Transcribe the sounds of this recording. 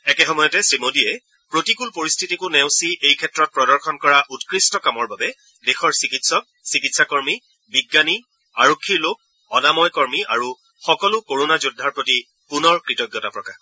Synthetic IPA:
ɛkɛxɔmɔjɔtɛsɹimodiɛ | pɹotikulpoɹistʰitikʊnɛʊ̃siʔejkʰɛtɹɔt̚pɹɔdɔɹxʰɔnkɔɹaʔutkɹistɔkamɔɹbabɛ | dexɔɹsikitsɔk̚ | sikitsakɔɹmi | biɡːani | aɹokʰːiɹlok̚ | ɔnamɔjkɔɹmiʔaɹu | xɔkɔlʊkoɹonazudʱːaɹpɹoti | punɔɹkɹitɔɡːɔtapɹɔkax

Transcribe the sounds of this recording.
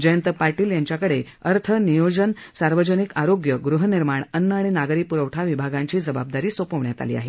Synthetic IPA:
d͡ʑəjənt̪əpaɾʈiːljaɲt͡ɕjakəɽe | əɾt̪ʰənijod͡ʑənsaɾʋəd͡ʑənikaɾoɡjəɡɾuɦəniɾmaɳənːəaɽ̃inaɡɾiːpuɾəʋʈʰaʋibʱaɡãɲt͡ɕiːd͡zəbab̚d̪aɾiːsopəʋɳjat̪a̰lḭːa̰ɦḛ

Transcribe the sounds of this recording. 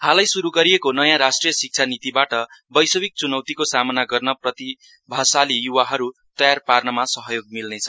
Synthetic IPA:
halajsuɾuɡʌɾijekonʌjãɾasʈrijʌsik̚t͡sʰanit̪ibaʈʌbʌjsʌbik̚t͡sunʌwt̪ikosamʌnaɡʌrnʌprʌt̪i | bʱasalijuwaɦʌɾut̪ʌjarparnʌmasʌɦʌjoɡ̚milnet͡sʰʌ̥

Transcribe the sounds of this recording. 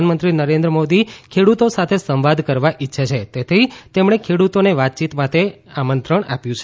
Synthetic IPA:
anmənt̪ɾinəɾẽnd̪ɾəmod̪ikʰeɽut̪osat̪ʰesə̃mʋad̪ʱkəɾʋaʔɪtːʃʰat͡ʃʰet̪et̪ʰit̪emɽ̃ekʰeɽut̪oneʋat̪̚t͡ʃit̪mat̪e | amənt̪ɾəɳ̃apjũt͡ʃʰe

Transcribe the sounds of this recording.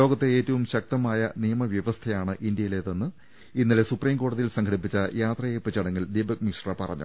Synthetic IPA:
o̞ːɡɐt̪ːeeːtːɐʋumɕɐk̚t̪ɐmaːjɐnijɐmɐʋjɐʋɐst̪ʰɐjaːɳɨʔind̪jɐjileːt̪ːenːɨ | inːilesupriːmko̞ːɽuɐðijilsɐŋkʰɐɽipːit͡ɕːɐjaːt̪rɐjepːɐt͡ɕɐɽɐŋːɐld̪iːbɐk̚miʂrɐpɐrɐ̰ɲːṵ

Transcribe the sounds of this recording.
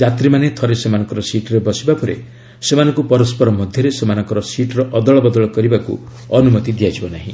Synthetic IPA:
d͡ʒat̪ɾimanet̪ʰɔɾesemanɔŋkɔɾɔsiʈɔɾebɔsibapɔɾḛ | semanɔ̃ŋkupɔɾɔspɔɾɔmɔd̪ʱjɔɾesemanɔ̃ŋkɔɾɔsiʈɔɾɔʔɔd̪ɔɭɔbɔd̪ɔɭɔkɔɾibakṵ | ɔnumɔt̪id̪ijad͡ʒibɔnaɦḭ̃

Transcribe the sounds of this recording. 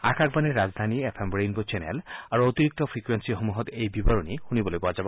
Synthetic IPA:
akʰak̚baniɾːad͡ʒd̪ʱaniepʰembɾejnbot͡ʃenḛlaɾuot̪iɾik̚t̪ɔpʰɾikwensiɦomuɦɔt̪ejbibaɾonihunibɔlojbɔad͡ʒab

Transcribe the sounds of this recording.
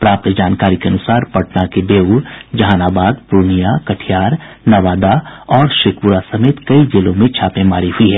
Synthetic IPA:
pɾaːp̚t̪d͡ʒaːnkaːɾikeɐnʊsaːɾpɐʈnakebeːuɾd͡ʒɐɦaːnaːbaːd̪pʊɾnijakɐʈʰijaːɾ | nɐʋaːd̪aɔːɾʃɪkʊɾasɐmeːt̪kɐid͡ʒɪlõmẽt͡ʃʰaːpẽmaːɾiɦʊiɦɛː

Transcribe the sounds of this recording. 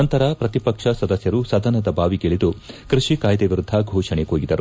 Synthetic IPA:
ɐnt̪ɐɾɐpɾɐt̪ipɐkʂɐsɐd̪ɐsjɐɾusɐd̪ɐnɐd̪ɐbaːʋiɡeɭid̪ukɾiʂikaːjd̪eʋiɾud̪ʱːɐɡʱɔːʂɐɳeɦoːɡid̪ɐɾu

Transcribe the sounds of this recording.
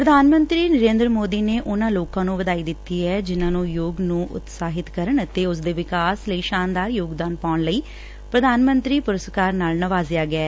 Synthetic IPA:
pɾəd̪ʱaːnmə̃nt̪ɾiːnəɾẽːnd̪ɾəmoːd̪iːneːʔʊnãːloːkãːnũːʋəd̪aːiːd̪ɪt̪ːiːɦɛːd͡ʒɪnãːnũːjoːɡnũːʔʊ̰t̪saːɦɪt̪kəɾəɳt̪eːʊs̬d̪eːʋɪkaːsləiːʃaːnd̪aːɾjoːɡd̪aːnpaːʊɳləiː | pɾəd̪ʱaːnmə̃nt̪ɾiːpʊɾəskaːɾnaːlnəʋaːzɪjaːɡɪɛː

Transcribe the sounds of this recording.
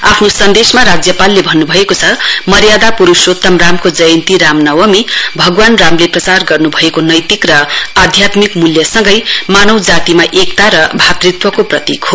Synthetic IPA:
apʰnosʌnd̪esmaɾad͡zjʌpalːebʱʌnːubʱʌekot͡sʰʌmʌɾjad̪apuɾusot̪ʌmramkod͡zʌjʌnt̪iɾamnʌwʌmibʱʌɡwanramleprʌt͡sarɡʌrnubʱʌekonʌjt̪ikrʌad̪ʱjat̪mikmuljʌsʌŋɡʌjmanʌwd͡zat̪imaʔekt̪aɾʌbʱat̪rit̪wʌkoprʌt̪ikɦo

